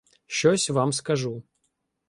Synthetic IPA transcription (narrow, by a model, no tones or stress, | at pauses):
ɕɔsʲvamskɐʐu